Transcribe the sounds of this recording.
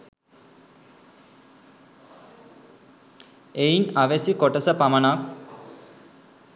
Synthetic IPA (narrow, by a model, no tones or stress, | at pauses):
einaʋesikoʈəsəpamənak